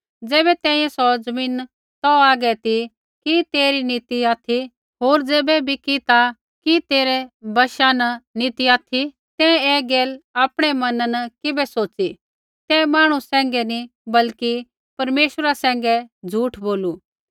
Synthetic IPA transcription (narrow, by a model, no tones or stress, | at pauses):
d͡zɛːbɛt̪ɛ̃ːĩjɛ̃sɔd͡zɐmĩːn | t̪ɔaːɡɛt̪i | kit̪eːɾinit̪iaːt̪ʰi | ɦoːɾd͡zɛːbɛbʱikit̪a | kit̪eːɾɛbɐʃanɐnit̪iaːt̪ʰi | t̪ɛ̃ɛːɡɛːlaːpɽ̃ɛmɐnnkɪbɛsoːt͡ʃi | t̪ɛ̃maːɽ̃usɛ̃ːŋ̆ɡɛni | bɐlki | pɐɾmeːʃəɾasɛ̃ːŋ̆ɡɛd͡zʱuːʈʰboːlu